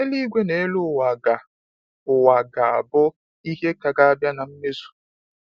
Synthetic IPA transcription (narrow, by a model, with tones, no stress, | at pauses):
e˦li˦ɡʷe˦ne˨˦lʊ˦˨wa˨ɡa˨ | ʊ˨wa˨ɡa˨a̰˨bʊ˦ | i˦ɦe˦ka˨ɡa˦a˦bja˦na˨m̩˦me˦zu̥˨